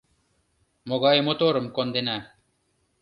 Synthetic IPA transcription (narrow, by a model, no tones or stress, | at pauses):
moɡɑjmot̪oːɾəmkond̪inæ